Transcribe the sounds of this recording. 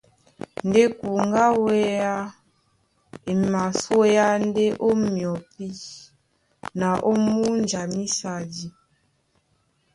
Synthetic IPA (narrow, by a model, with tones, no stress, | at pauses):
n˨de˦ku˨ŋ˦ɡa˦we˦ja˦ | e˨ma˨so˦ja˦n˦de˦ʔo˦mjɔ˨pi˦ | na˨ʔo˦mu˦n˨d͡ʒa˨mi˦sa˨di˨